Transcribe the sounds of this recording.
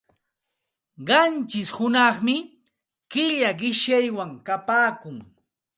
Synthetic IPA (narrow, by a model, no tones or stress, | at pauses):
ɢɑnt͡ʃɪshʊnɑχmɪ | kɪʎaɢɪʃjajwaŋkapaːkʊŋ